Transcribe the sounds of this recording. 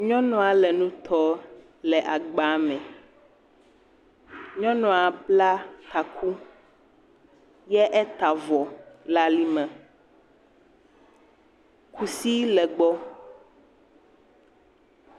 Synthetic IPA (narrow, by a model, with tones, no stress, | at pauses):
ɲɔ̃˦nɔ̃˨a˨lɛ˨nũ˦t̪ʰɔ˦ | lɛ˨ʔa˨ɡ͡ba˨˦mɛ̃˨ | ɲɔ̃˦nɔ̃˨a˨bla˦t̪a˨kʰu˦ | jɛ˦ʔɛ˦t̪a˨vɔ˨la˦li˦mɛ̃˨ | kʰu˨si˦lɛ˨ɡ͡bɔ˦